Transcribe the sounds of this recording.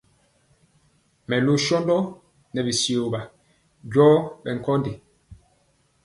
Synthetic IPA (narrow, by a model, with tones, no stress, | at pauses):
mɛ˨lo˦ʃɔ˦ndɔ˦ | nɛ˨bi˨si˨o˨ba˨ | ɟɔː˦ɓɛ˨ŋ̩˨kɔ˦nde˨